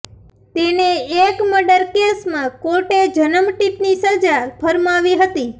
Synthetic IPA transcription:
t̪eneːkməɖəɾkesmãkoʈed͡ʒənəmʈit̪nisəd͡ʒapʰəɾmaʋiɦət̪i

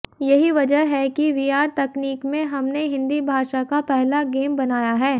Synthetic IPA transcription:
jɐɦiʋɐd͡ʒəɦɦɛkiʋiːaːɾt̪ɐkniːkmẽɦɐmneɦɪ̃nd̪ibʱaːʃakapɛɦlaɡeːmbɐnaːjaɦɛː

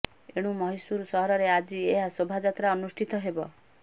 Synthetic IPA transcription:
eɽ̃umɔɦisuɾsɔɦɔɾɔɾead͡ʒieɦasobʱad͡ʒat̪ɾaɔnusʈʰit̪ɔɦebɔ

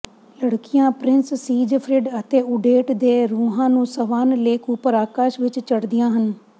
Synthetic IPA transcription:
ləɽkɪjãːpɾɪnssiːd͡ʒpʰɾɪɖət̪eːʊɖeːʈd̪eːɾuːɦãːnũːsəʋaːnleːkʊpəɾaːkaːʃʋɪt͡ʃt͡ʃəɽd̪ɪjãːɦən

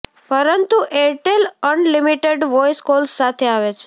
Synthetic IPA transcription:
pəɾənt̪uʔeʈelənlimiʈeɖʋɔjskolsat̪ʰeaʋet͡ʃʰe̥

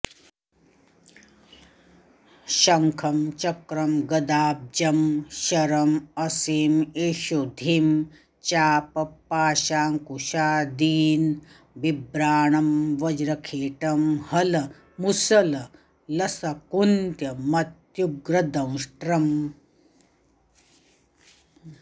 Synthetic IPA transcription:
ʃɐŋkʰɐmt͡ʃɐkɾɐmɡɐd̪aːb̚d͡ʒɐmʃɐɾɐmɐsiːmeːʃud̪ʱim | t͡ʃaːpɐpːaːʃaːŋkuʃaːd̪iːn | ʋibɾaːɳɐmʋɐd͡ʒɾɐkʰeːʈɐmhɐlɐ | musɐlɐ | lɐsɐkunt̪jɐmɐt̪juɡɾɐd̪ɐ̃w̃ʂʈɾɐm

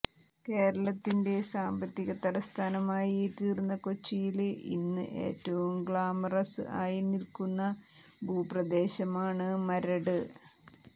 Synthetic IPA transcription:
ke̞ːɾɐɭɐt̪ːinde̞saːmbɐt̪ːiɣɐt̪ɐɾɐst̪ʰaːnɐmaːjit̪iːrunːɐko̞t͡ɕːijilḭnːɨ̰ʔe̞̰ːtːɐʋumɡɭaːmɐrɐsɨ̰ʔaːjinilkunːɐ | bʱuːprɐd̪e̞ːɕɐmaːɳɨmɐɾɐɽɨ

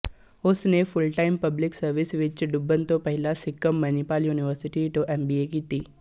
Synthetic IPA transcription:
osnefʊlʈaɪmpɐblɪksɐɾʋɪsʋɪt͡ʃɖʊbːənt̪opɐɦɪlasɪkːəmːɐnipaːljuːniʋəɾsɪʈiʈoʔembiekiːt̪iː

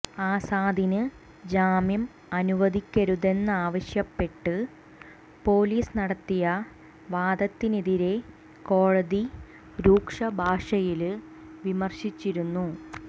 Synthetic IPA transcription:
aːsaːd̪ʱinɨ | d͡ʑaːmjɐm | ɐnuʋɐd̪ʱikʲːɐɾuðe̞nːɨaːʋɐɕjɐpːe̞ʈːɨ | po̞ːliːsɨnɐɽɐt̪ːijɐ | ʋaːd̪ɐt̪ːiniðiɾe̞ | ko̞ːɻɐði | ɾuːkʂɐbʱaːʂɐjil | ʋimɐrɕit͡ɕːiɾunːu

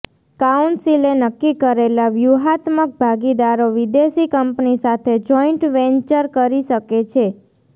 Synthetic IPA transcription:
kauɳʈsilenəkːikəɾelaʋjuɦat̪mək̚bʱaɡid̪aɾoʋid̪esikəmpnisat̪ʰed͡ʒɔiɳʈʋẽɲt͡ʃəɾkəɾiʃəket͡ʃʰe

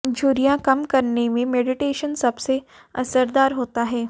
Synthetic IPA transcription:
d͡ʒʱuːɾijãkɐmkɐɾnemẽmeːɖɪʈeːʃənsɐbse | ɐsəɾd̪aːɾɦoːt̪aɦɛː

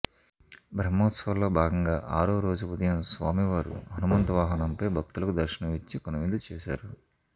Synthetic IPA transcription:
bʱɾɐmːoːt̪sʋɐlːoːbʱaːɡɐŋɡaːʔaːɾoːɾo̞ːd͡ʒuud̪ɐjɐmsʋaːmiʋaːɾṵɦɐnumɐnt̪ɐʋaːɦɐnɐmpɐjbʱɐk̚t̪ulɐkud̪ɐɾʃɐnɐʋit͡ʃːikɔnɐʋind̪ult͡ʃɛːʃa̰ːɾu

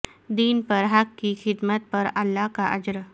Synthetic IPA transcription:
d̪iːnpəɾɦakːixɪd̪mət̪̚pəɾɐlːakaʔəd͡ʒɾ

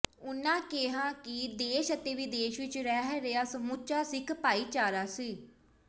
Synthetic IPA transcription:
ʊnːãːkeɦãːkɪd̪eːʃət̪eːʋiːd̪eːʃʋɪt͡ʃɾɛːɦɛɾeaːsəmʊt͡ʃaːsɪkʰpaːiːt͡ʃaːɾaːsiː

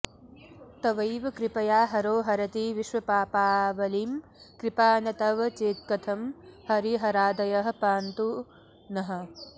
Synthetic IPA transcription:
t̪ɐʋɐjʋɐkɾipɐjaːɦɐɾoːɦɐɾɐt̪iʋiʃʋɐpaːpaːʋɐlim | kɾɪpaːnɐt̪ɐʋɐt͡ʃeːt̪̚kɐt̪ʰɐmhɐɾiɦɐɾaːd̪ɐjɐɦɐ̆paːnt̪u | nɐɦɐ̆

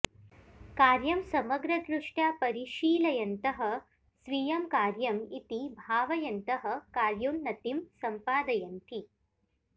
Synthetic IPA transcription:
kaːɾjɐmsɐmɐɡɾɐd̪ɾuʂʈapɐɾiʃiːlɐjɐnt̪ɐɦɐ̆ | sʋijɐmkaːɾjɐmit̪ibʱaːʋɐjɐnt̪ɐɦɐ̆kaːɾjunːɐt̪imsɐmpaːd̪ɐjɐnt̪ʰi

